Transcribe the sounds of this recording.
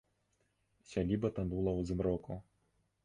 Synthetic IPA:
sʲalʲibɐt̪and̪ulˠɐwzɨmɾɔku

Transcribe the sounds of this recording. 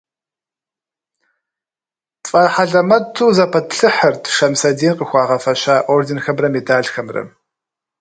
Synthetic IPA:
fʼɐħaɮɐmɐtʰːuːzɐpʰɐtɬɨħɐrtʰʂɐmsɐdeːnqəxʷɑːʁɐfɐɕaːʔoːrdɪnxɐmrɐmedaːɮxɐmrɐ̰

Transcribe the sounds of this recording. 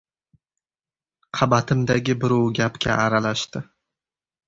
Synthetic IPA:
qʰɑbat̪ʰɪmd̪aɡʲɪbɪɾɒwɡʲapkʲʰa̰ʔaɾalaʃt̪ɪ

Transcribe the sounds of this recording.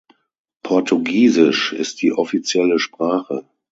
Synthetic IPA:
pʰɔɐtʰuɡiːzɪʃɪ̰st̚d̥iːʔɔfit͡sjɛləʃpʁ̥aːχə̰

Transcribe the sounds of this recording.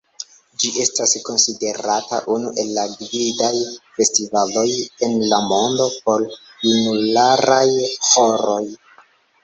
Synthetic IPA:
d͡ʒiʔe̞stasko̞nside̞ɾata̰ʔunuʔe̞lːaɡvidajfe̞stivalo̞je̞nlamo̞ndo̞p̚o̞ɾ | junulaɾajho̞ɾo̞j

